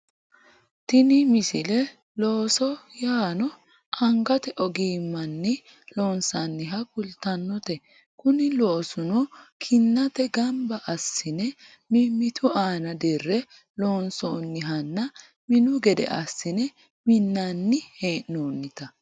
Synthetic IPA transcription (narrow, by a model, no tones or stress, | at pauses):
t̪ɪnɪmɪsɪlɛ | lo̞ːsɔjaːnɔ | ʔɐŋɡɐt̪ɛʔɔɡiːmːɐnːɪ | loːnsɐnːɪɦɐkʊlt̪ɐnːɔt̪ɛ | kʊnɪloːsʊnɔkʰɪnːɐt̪ɛɡɐmbɐʔɐsːɪnɛ | mɪmːɪt̪ʰʊaːnɐd̪ɪrːɛ | lo̞ːnsoːnːɪɦɐnːɐ | mɪnʊɡɛd̪ɛ̰ʔɐ̰sːɪnɛ | mɪnːɐnːɪheːʔnoːnːɪt̪ɐ